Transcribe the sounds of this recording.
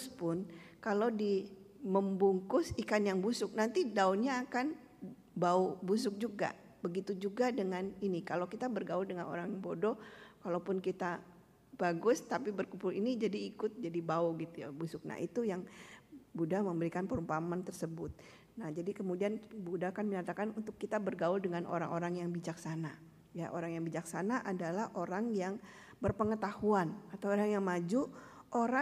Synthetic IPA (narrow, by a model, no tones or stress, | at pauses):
spʊnkalowdiməmbuŋkʊsikanjaŋbusʊk̚nant̪idaʊnɲaːkan | baubus̬ʊk̚d͡ʒuɡa̰ | bəɡit̪ud͡ʒuɡadəŋaninikalowkit̪abərɡawudəŋano̰ɾaŋbodɔkalawpʊnkit̪a | b̥aɡʊst̪apibərkupʊlinid͡ʒadiːkʊt̪̚d͡ʒadibaʊɡit̪uja̰busʊk̚na̰ʔit̪ujaŋbudaməmbəɾikanpəɾumpamant̪ərsəbʊt̪̚ | nahd͡ʒadikəmudianbudakanməɲat̪akanunt̪ʊkːit̪abərɡaʊldəŋanʔo̰ɾa̰ŋʔoɾaŋjaŋbid͡ʒaksana | ja̰ʔo̰ɾaŋjaŋbid͡ʒaksanaʔadalahʔoɾaŋjaŋ | bərpəŋət̪ahuanat̪awoɾaŋjaŋmad͡ʒuʔoɾa